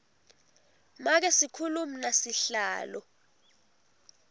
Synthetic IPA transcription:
mak̬ɛsikʰuluminasiɬaːlɔ

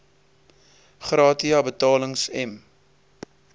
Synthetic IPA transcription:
χrɑːtiɐbətɑːləŋsɛm

